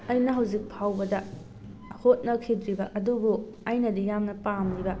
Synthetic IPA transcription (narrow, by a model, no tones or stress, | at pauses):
ɐjnɐɦɐwzik̚pʰawbɐdɐ | hot̚nɐkʰidɾibɐʔɐdubu | ajnɐdijamnɐpamlibɐ